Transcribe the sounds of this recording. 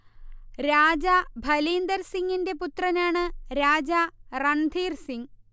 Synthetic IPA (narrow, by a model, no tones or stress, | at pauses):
ɾaːd͡ʑɐbʱɐliːnd̪ɐɾsiŋːinde̞put̪rɐnaːɳɨɾaːd͡ʑarɐnd̪ʱiːrsiŋ